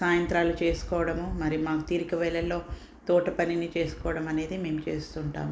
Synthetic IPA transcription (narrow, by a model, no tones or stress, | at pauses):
saːjɐnt̪ɾaːlut͡ʃe̞ːsu̥kɔːʋɐɽɐmumɐɾimaːkut̪iːɾikɐʋɛlːɐlːo̞ː | t̪ɔːʈɐpɐninit͡ʃe̞ːsu̥kɔːʋɐɽɐmɐne̞ːd̪ime̞ːmut͡ʃe̞̰ːst̪uɳʈa̰ːm